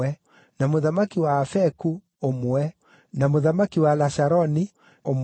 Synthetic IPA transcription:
ɛ | namoðamakiwaːfɛku | omɛ | namoðamakiwalaʃaɾɔni | om

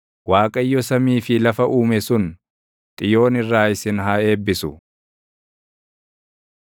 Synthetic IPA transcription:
waːkʼɐjːɔsɐmiːfɪlɐfɐʔuːmɛsʊn | t̪ʼɪjo̞ːnɪrːaːɪsɪnɦae̞ːbːɪsʊ

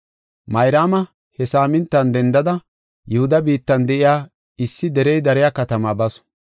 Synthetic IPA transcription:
mɐjɾaːmɐ | hɛsaːmɪnt̪ːɐnd̪ɛnd̪ɐd̪ɐ | jɛhʊd̪ɐbiːt̪ːɐnd̪ɛʔɪjaː | ɪsːɪd̪ɛɾɛjd̪ɐɾɪjaːkɐt̪ɐmaːbɐs

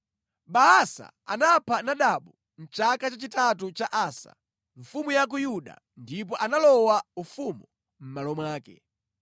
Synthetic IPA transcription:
ɓaasa̰ | a̰napʰanaɗaɓu | n̩t͡ʃakat͡ʃat͡ʃitat̬ut͡ʃaʔaːsa̰ | ɱ̩fumujak̬ujuɗa̰ | ndip̬ɔʔanalɔwaufumu | m̩malɔmwaːkɛ̰

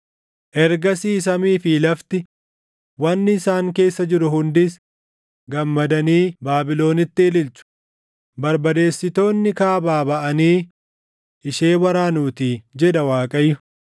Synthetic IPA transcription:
ʔɛɾɡɐsiːs̬ɐmiːfiːlɐft̪ɪ | wɐnːɪɪsaːŋke̞ːsːɐd͡ʒɪɾʊɦʊnd̪ɪs | ɡɐmːɐd̪ɐniːbaːbɪlo̞ːnɪt̪ːɪɛlɪlt͡ʃʊ̥ | bɐɾbɐd̪e̞ːsːɪt̪o̞ːnːɪkaːbaːbɐʔɐniː | ʔɪʃeːwɐɾaːnuːt̪iːd͡ʒɛᶑɐwaːkʼɐjːʊ

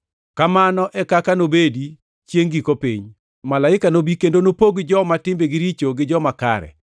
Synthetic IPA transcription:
kamanɔʔɛkakanobedi | t͡ʃjeŋɡikopḭɲ | malaɪkanobikendonopoɡd͡ʒɔmatɪmbeɡɪɾit͡ʃoɡɪd͡ʒɔmaka̰ɾɛ̰

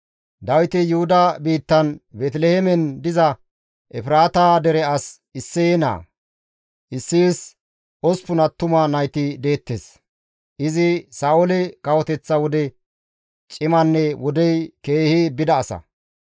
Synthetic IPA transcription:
d̪ɐwɪt̪ɪjʊhʊd̪ɐbiːt̪ːɐnbɛt̪lɛhemɛnd̪ɪzɐ | ʔɛfɪɾaːt̪aːd̪ɛɾɛɐs | ɪsːɛɛna̰ː | ʔɪsːiːs | ɔspʊnɐt̪ːʊmɐnɐjt̪ɪd̪e̞ːt̪ːes | ʔɪzɪsaːʔʊlɛkɐwɔt̪ɛt͡sːɐwɔd̪ɛ | t͡ʃʼɪmɐnːɛwɔd̪ɛjke̞ːhɪbɪd̪ɐːsɐ̰

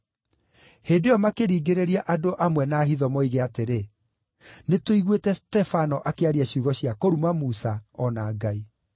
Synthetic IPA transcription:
heːdeɔmakeɾiːɡeɾeɾiaʔadoʔamwɛnaːɦiðɔmoiɣeateɾe | netoiɣwetɛstɛfanɔʔakeaɾiaɕuɣɔɕjakoɾumamusaɔnaːɡai

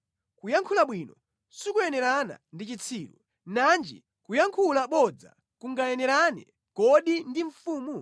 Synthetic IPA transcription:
kujaŋkʰulaɓwiːnɔ | sikujɛnɛɾana̰ndit͡ʃit͡sʰiːɾṵ | nand͡ʒḭ | kujaŋkʰulaɓɔd͡za̰ | kuŋɡajɛnɛɾanɛ̰ | kɔɗindiɱ̩fuːmu

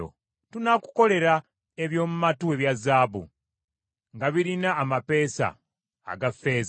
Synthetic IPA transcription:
o̰ | tunaku̥ko̞le̞ɾa | eβjo̞ːmumatue̞βjazaːbṵ | ŋɡaβiɾinaːmape̞ːsa̰ː | ɡafe̞ːz

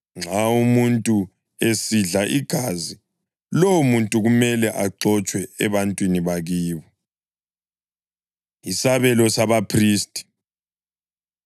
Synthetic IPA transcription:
ŋ͡ǁʱaumuntʼu | esiɮaʔiɡ̥ʱaːzi | lɔwumuntʼuɣumɛlɛʔaǃɔt͡ʃʼwɛɛβantʼwiniβaɣiːβɔ | isaβɛlɔsaβapʰriːstʼi̥

